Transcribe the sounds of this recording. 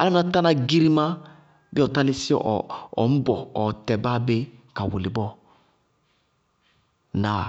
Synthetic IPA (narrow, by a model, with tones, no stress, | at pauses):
a̰˦la˦mi˦na˦ta˦na˨ɡi˦ɾi˦mã˦ | bɛ˦ɔ˨ta˦li˦si˦ɔ̰˨ɔ̰˨m̩˦bɔ˨ɔ˨tɛ˨ba˦be˦ka˨wo˨li˨bɔ˦ | na˨